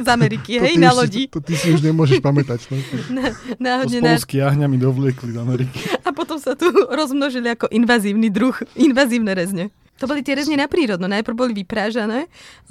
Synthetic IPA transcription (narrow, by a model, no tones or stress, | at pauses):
zamɛɾikiɦɛjnalɔɟit̪isiuʒɲɛmʊɔʒɛʃpamɛt̪act̪ɔnanaːɦɔd̪ɲɛɔlskiaɦɲamid̪ɔʋlɪɛklizamɛɾiki̥apɔt̪ɔmsat̪uɾɔzmnɔʒiliakɔʔinʋaziːʊnid̪ɾuxinʋaːziːʊnɛɾɛzɲɛ | t̪ɔbɔlit̪ɪɛɾɛzɲɛnapɾiːɾɔd̪nunajpr̩ɾbɔliʋipɾaːʒanɛː